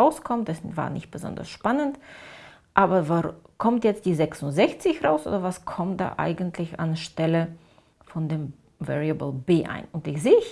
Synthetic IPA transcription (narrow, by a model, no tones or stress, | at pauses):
aʊskʰɔmtɛsva̰ːɐnɪ̰çt̚b̥əzɔ̰ndɐ̰sʃpanənt | ʔaːbɐvaʁkʰɔmtjɛt͡std̥iːzɛksʊntzɛçt͡sɪçʁaʊsʔo̰ːdɐvaskʰɔmd̥a̰ːʔa̰ɪɡən̩tʰlɪça̰nʃtɛlə | fɔndeːm | vɛ̰ʁiabl̩beːʔa̰ɪnʊntɪçz̥eː